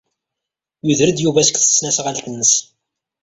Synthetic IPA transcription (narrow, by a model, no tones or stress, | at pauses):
juðɾəd̪juvæsə̥kθə̥sːnæsʁalt̪ənːəs